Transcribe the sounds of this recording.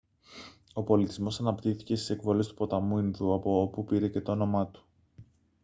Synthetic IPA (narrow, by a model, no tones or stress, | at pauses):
o̞po̞lit̪izmo̞sɐnɐpt̪iθi̥ce̞st̪i̥se̞kvo̞le̞st̪u̥po̞t̪ɐmuinðuɐpo̞opupiɾe̞ce̞t̪o̞ono̞mɐt̪u̥